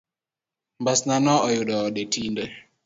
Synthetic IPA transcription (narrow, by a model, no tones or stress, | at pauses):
mbasnanɔɔjuɗɔɔɗetindɛ